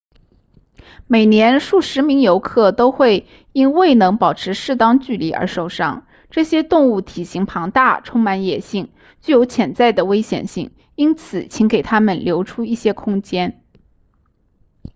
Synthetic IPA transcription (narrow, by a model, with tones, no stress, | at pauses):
me˨˩ɪnjɛ˧˥nʂu˥˩ʂɻ̩˧˥mi˧˥ŋjo˧˥ʊkʰɤ˥˩t̪o˥ʊxwe˥˩ɪ | i˥nwe˥˩ɪnɤ˧˥ŋpɑ˨˩ʊʈ͡ʂʰɻ̩˧˥ʂɻ̩˥˩t̪ɑ˥ŋt͡ɕy˥˩li˧˥ʔə̰˞˧˥ʂo˨˩ʊʂɑ̰˥˩ŋ | ʈ͡ʂɤ˥˩ɕjɛ˥t̪ʊ˥˧ŋu˥˩t̪ʰi˨˩ɕi˧˥ŋpʰɑ˧˥ŋt̪a̰˥˩ʈ͡ʂʰʊ˥ŋma˧˥njɛ˨˩ɕi˥˩ŋ | t͡ɕy˥˩jo˧˥ʊt͡ɕʰjɛ˧˩nt͡sa˥˩ɪd̪ə˩we˥ɪɕjɛ̰˨˩nɕi˥˩ŋ | i˥nt͡sʰɹ̩˨˩t͡ɕʰi˧˥ŋke˨˩ɪt̪ʰa˥mə˨nljo˧˥ʊʈ͡ʂʰu˥i˥˩ɕjɛ˥kʰʊ˥ŋt͡ɕjɛ˥n